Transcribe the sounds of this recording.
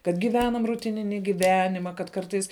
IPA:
kɐt ɡʲɪˈʋʲæːnɐm rʊˈtʲɪnʲɪnʲɪ ɡʲɪˈʋʲæːnʲɪmɐ kɐt ˈkɐrtɐɪs

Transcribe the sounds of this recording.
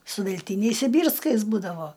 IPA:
sʊ ʋʲɛlʲˈtʲiːnʲɛɪs sʲɪˈbʲiːrskɐɪs ˈbuːdɐʋoː

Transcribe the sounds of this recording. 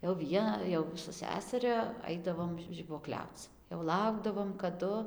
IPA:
jɛʊ ˈʋʲiɛ jɛʊ sʊ ˈsʲæːsʲɛrʲɛ ˈɐɪdɐʋoːm ʒʲɪbuɔˈklʲɛʊt͡s jɛʊ ˈlˠɐʊɡdɐʋoːm kɐˈdʊ

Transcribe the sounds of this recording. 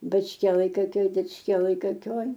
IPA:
bɐt͡ʃʲˈkʲiɛlˠɐj koːˈkʲoːj dʲɪt͡ʃʲˈkʲiɛlˠɐj koːˈkʲoːj

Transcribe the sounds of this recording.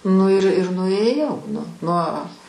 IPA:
nʊ ɪr ɪr nʊeːˈjɛʊ nʊ nuɔ

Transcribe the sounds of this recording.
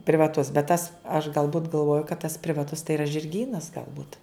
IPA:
pʲrʲɪʋɐˈtʊs bʲɛt tɐs ɐʃ ɡɐlˠˈbʊt ɡɐlˠˈʋoːjʊ kɐt tɐs pʲrʲɪʋɐˈtʊs tɐɪ iːrɐ ʒʲɪrʲˈɡʲiːnɐs ɡɐlˠˈbʊt

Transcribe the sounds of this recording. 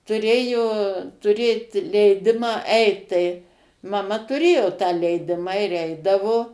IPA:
tʊˈrʲeːjoː tʊˈrʲeːt lʲɛɪˈdʲɪmɑː ˈɛɪt tɐɪ mɐˈmɐ tʊˈrʲeːjoː tɑː lʲɛɪˈdʲɪmɑː ɪr ˈɛɪdɐʋoː

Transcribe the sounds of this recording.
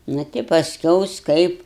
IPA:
ˈnɐ tʲɪ pɐsʲˈkʲɛʊs ˈkɐɪp

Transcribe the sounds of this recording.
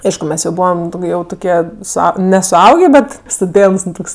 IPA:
ˈɐɪʃkʊ ˈmʲɛs jɛʊ ˈbuːʋɐm ˈjɛʊ tʊˈkʲiɛ sʊˈɐʊ nʲɛsʊˈɐʊɡʲeː ˈbʲɛt stʊˈdʲeːnts ˈnʊ ˈtoːks

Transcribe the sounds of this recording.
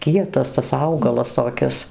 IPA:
ˈkʲiɛtɐs tɐs ˈɐʊɡɐlˠɐs toːˈkʲɪs

